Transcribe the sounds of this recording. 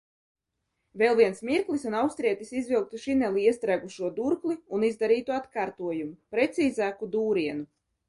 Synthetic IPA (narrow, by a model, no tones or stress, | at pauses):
velˠviɛnsmiɾklˠisunawst̪ɾiɛt̪isizvilˠk̚t̪uʃinɛlˠiiɛst̪ɾæːɡuʃuɔd̪uɾklˠiunizd̪aɾiːt̪uat̪kaːɾt̪uɔjumupɾet̪siːzaːkud̪uːɾiɛnu